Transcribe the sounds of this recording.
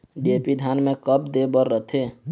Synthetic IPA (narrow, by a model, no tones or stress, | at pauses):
ɖiepid̪ʱjaːnmẽkəp̚d̪ebəɾːət̪ʰeː